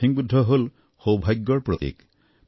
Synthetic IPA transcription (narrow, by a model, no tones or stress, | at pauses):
iŋbud̪ʱːɔɦol | howbʱajɡjɔɹpɾot̪ḭk